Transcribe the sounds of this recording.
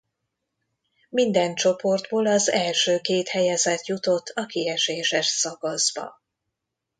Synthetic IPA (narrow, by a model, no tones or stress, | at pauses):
mind̪ɛnt͡ʃo̞po̞rd̪boːlɒzɛlʃøːkeːt̪hɛjɛzɛt̪jut̪o̞t̪ʰːɒkiɛʃeːʃɛʃsɒɡɒzbɒ̰